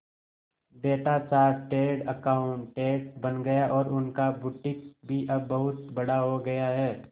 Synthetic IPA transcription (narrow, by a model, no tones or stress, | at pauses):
beːʈat͡ʃaːɾʈeːɖɐkaːʊɳʈʈeːɖbɐnɡɐjaʔɔːɾʔʊnkabʊʈɪk̚bʱiʔɐbːɐɦʊt̪bɐɽaɦoɡɐjaɦɛː